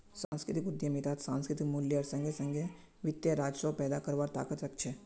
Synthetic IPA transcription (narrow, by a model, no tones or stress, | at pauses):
sãːnskɾɪt̪ikʊd̪jəmit̪aːt̪sãːnskɾɪt̪ikmʊljəɐːɾsɐ̃ŋɡʱesɐ̃ŋɡʱe | ʋɪt̪jaɾaːd͡ʒsɔpɛːd̪akɐɾʋaːɾt̪a̰ːkət̪ɾɐk̚ʰt͡ʃʰe